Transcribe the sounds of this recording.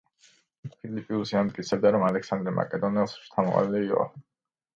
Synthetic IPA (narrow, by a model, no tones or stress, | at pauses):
pʰilipʼiusianmt̪ʼkʼit̪sʰɛb̚d̪aɾɔmalɛksand̪ɾɛma̰kʼɛd̪ɔnɛlˠsʃt̪ʰamɔqʼa̰liːqʼɔ̰